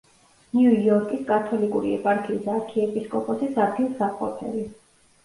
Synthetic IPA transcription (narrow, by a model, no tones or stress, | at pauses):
njujɔɾkʼiskʼat̪ʰɔlikʼuɾiɛ̰pʼaɾkʰiːsaɾkʰiɛpʼiskʼɔpʼɔsisat̪ʰilˠsapqʼɔ̰t̪ʰɛ̰li